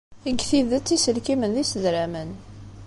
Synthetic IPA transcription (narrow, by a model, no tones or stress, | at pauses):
iɡθiðət͡sːisəlkimənðisəðɾæmən